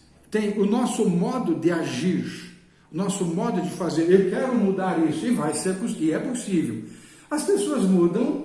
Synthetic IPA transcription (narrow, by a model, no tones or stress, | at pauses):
t̪ẽj̃ʊnɔsʊmɔd̪ʊd̪ɪaʒiɾ | ʊnɔsʊmɔd̪ʊd͡ʒɪfazeɾewkɛɾʊmud̪aɾisʊɪvajseɾpʊsɪɛposivew | ɐspesoɐzmud̪ɐ̃w̃